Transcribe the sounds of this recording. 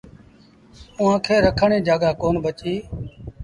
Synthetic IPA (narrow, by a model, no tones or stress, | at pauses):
ʊːãːkʰeːɾəkʰəɳẽːd͡ʒaːɠaːkoːnbət͡ʃiː